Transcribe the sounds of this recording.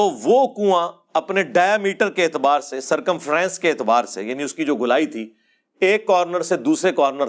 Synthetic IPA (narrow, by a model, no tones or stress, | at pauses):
oːʋoːkũã | ɐpneɖaːjaːmiːʈəɾkeːt̪ɪbaːɾsesɐɾkə̃mfʰɾɛ̃ːnskeːt̪ɪbaːɾsḛjaːnĩʊskid͡ʒoːɡʊlaːit̪ʰiː | eːkːɔːɾnəɾsed̪uːsɾekɔːɾnəɾ